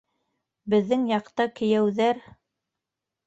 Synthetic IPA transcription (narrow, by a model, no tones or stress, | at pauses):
bɘ̆ðːɘŋjɑqt̪ɑkɘ̆jæwðæɾ